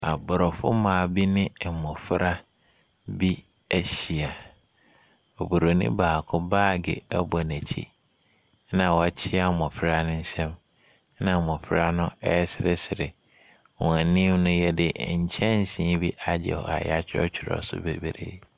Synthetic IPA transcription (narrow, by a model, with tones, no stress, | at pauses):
a˨bʊ˨ɾɔ˨fʊ̰˦mã˨bi˦nɪ̃˦˨mɔ̃˨fɪ˦ɾa˦ | bi˦ | æ˦ɕi˨a˨ | o˨bu˨ɾo˨nḭ̃˦baː˨kʰʊ̃˦baː˦˨ɡɪ̰˨ɛ˦bɔ˨næ̃˨t͡ɕʰḭ˦ | nã˨wɔ˨t͡ɕʰɪ˦a˨mɔ̃˨fɾa˦nʊ̃˦ɲ̩˦sɛ̃˦m | nã˨mɔ̃˨fɪ˦ɾa˦nʊ̃˦ɛ˦ɛ˦sɪ˨ɾɪ˦sɪ˨ɾɪ˨ | wɛ̃˨nɪ̃˦mnʊ̃˦jɛ˦dɪ˦˨ɲ̩˨t͡ɕʰɛ̃˦n˨sĩ˦bi˦ʔa˨d͡ʑɛ̰˨hɔ̰˨a̰˨jɛ̰˦a˦t͡ɕʰᶣɪ˦ɔ̰˦t͡ɕᶣʰɪ˨ɾɔ̰˨sʊ̰˦bḛ˨be˨ɾḛ˦